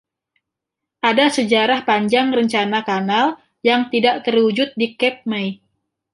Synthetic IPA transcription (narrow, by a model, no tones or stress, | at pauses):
ʔadasəd͡ʒaɾahpaɲd͡ʒaŋrəɲt͡ʃanakanal | jaŋt̪idaʔt̪ərud͡ʒʊt̪̚dikɛt̪̚maj